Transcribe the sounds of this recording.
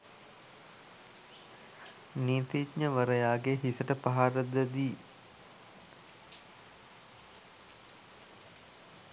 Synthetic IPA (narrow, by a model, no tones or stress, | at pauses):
niːt̪itɲəʋəɾəjaːɡeɦisəʈəpaɦaɾəd̪əd̪iː